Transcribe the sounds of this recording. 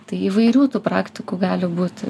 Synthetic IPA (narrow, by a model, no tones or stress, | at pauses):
t̪ɐɪiːʋɐɪɾʲuːt̪uːpɾɑːkt̪ʲɪkuːɡɑːlʲɪbuːt̪ʲ